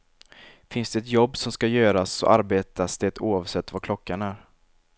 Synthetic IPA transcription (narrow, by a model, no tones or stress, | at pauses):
fɪnsd̪ɛɛt̪jɔbːsɔmskajøːɾasɔ̰ʔaɾbeːt̪ʰasd̪̥ɛt̪uːɑvsɛt̪ːvaɾkʰlɔkːaɳæɾ